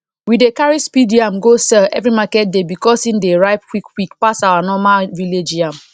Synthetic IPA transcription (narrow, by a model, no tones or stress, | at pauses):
widekaɹispidiãmɡosɛɛ̰vɹimakɛt̚debikɔsĩndeɹajp̚kwikwikpasawanɔmaviled͡ʒiãm